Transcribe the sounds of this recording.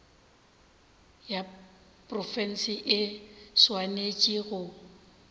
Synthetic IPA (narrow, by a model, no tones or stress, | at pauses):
ja | pʼrɔfɛn̩sɪʔɪswanet͡ʃʼiɣʊ